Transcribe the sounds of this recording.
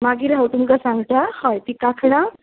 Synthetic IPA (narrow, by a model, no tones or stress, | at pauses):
maɡiːɾəwt̪umɡasãŋɡt̪ahɔjt̪ikakʰɽ̃ã